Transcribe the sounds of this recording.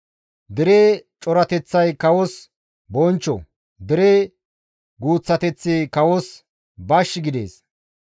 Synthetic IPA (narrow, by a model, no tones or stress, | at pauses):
d̪ɪɾeːt͡ʃʼɔɾɐt̪ɛt͡sːɐjkɐwɔs | bɔnt͡ʃːɔ̰ | d̪ɪɾeː | ɡuːt͡sːɐt̪ɛt͡sːeːkɐwɔs | bɐʃːɪɡɪd̪ḛːs